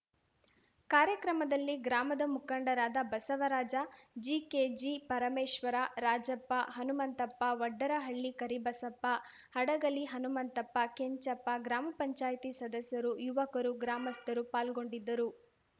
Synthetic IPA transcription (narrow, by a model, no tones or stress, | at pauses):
kaːɾjɐkɾɐmɐd̪ɐlːiɡɾaːmɐd̪ɐmukɐɳɖɐɾaːd̪ɐbɐsɐʋɐɾaːd͡ʒɐd͡ʒiked͡ʒipɐɾɐmeːʂʋɐɾaɾaːd͡ʒɐpːɐɦɐnumɐnt̪ɐpːɐʋɐɖːɐɾɐɦɐɭːikɐɾibɐsɐpːɐ | hɐɽɐɡɐliɦɐnumɐnt̪ɐpːɐkeɲt͡ʃɐpːɐɡɾaːmɐpɐɲt͡ʃaːjt̪isɐd̪ɐsjɐɾujuʋɐkɐɾuɡɾaːmɐst̪ɐɾupaːlɡo̞ɳɖid̪ːɐɾu